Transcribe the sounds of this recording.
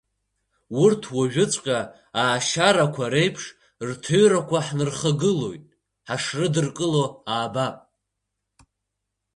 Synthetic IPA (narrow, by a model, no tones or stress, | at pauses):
wurtʰwaʒᶣʊt͡sʷʼqʲʼa | aːʃaɾakʷʰaɾe̞jpʰʂ | rtʰoɥɾakʷʰaħnɨrχaɡɨlo̞̰jtʼ | ħaʂrɨdɨrkʼɨlo̞aːbapʼ